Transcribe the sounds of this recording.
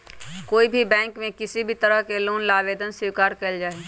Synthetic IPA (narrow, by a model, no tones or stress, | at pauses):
koːibʱibɛ̃ːŋkmẽkɪsibʱit̪ɐɾəɦkeloːnlaːʋeːd̪ənswɪːkaːɾkɐld͡ʒaːe